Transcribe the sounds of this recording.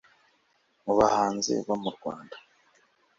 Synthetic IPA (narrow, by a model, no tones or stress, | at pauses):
muβahaːnzḛβamuɾɡwa̰ːndḁ